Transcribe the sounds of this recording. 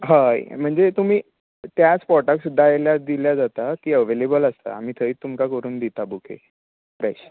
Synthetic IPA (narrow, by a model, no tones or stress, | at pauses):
ɦa̰m̤əɳd͡zet̪um̤iː | t̪jat͡spɔʈaksd̪ajljad̪iljad͡zat̪at̪iːəʋelebələst̪a̰a̰m̤iːt̪ʰəiːt̪ːumkakəɾuːnd̪it̪abukʰḛ | pɾajɕ